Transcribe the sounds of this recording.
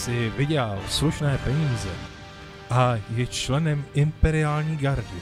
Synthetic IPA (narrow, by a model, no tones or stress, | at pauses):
sɪvɪɟɛlsluʃnɛːpɛɲiːzɛ | ʔajɛt͡ʃlɛnɛmɪmpɛɾɪaːlɲiːɡaɾɟɪ